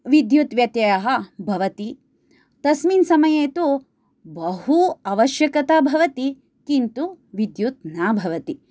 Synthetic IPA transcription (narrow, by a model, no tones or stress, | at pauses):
ʋid̪jut̪ʋjɐt̪jɐjɐɦɐ̆bʱɐʋɐt̪i | t̪ɐsmiːnsɐmɐjeːt̪u | bɐɦuɐʋɐʃjɐkɐt̪aːbʱɐʋɐt̪i | kint̪u | ʋid̪jut̪̚naːbʱɐʋɐt̪i